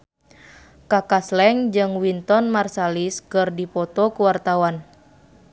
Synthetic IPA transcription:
kakaslɛŋd͡ʒɨŋwint̪ɔnmarsaliskɨrdipɔt̪ɔkuwart̪awan

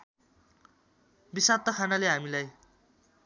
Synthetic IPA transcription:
bisat̪ːʌkʰanaleɦamilaj

